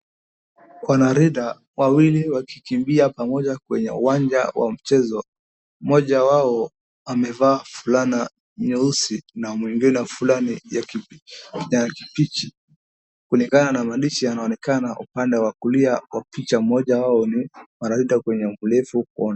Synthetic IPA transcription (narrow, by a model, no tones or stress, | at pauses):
kwanaɾiɗa | wawiliwaki̥kimbiapamɔʄakwɛɲɛ̰ṵwand͡ʒa̰wʔa̰m̩t͡ʃɛzɔ | mɔʄawaɔ | amɛvaːfulana | ɲuusinamwiŋɡinɛfulania | ɲaki̥pit͡ʃi̥ | kuliŋɡananamaɗiʃijanaɔnɛkanaʔupandɛwakuliawapit͡ʃamɔʄawaɔnimanaɾiɗakwɛɲɛulɛfukuɔn